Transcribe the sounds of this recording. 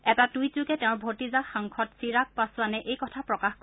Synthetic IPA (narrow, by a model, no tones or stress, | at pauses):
ɛtatujtukɛtɛʊ̃ɹbʱotizaxaŋkʰɔtsiɹak̚pasanɛʔejkɔtʰapɹɔkaxk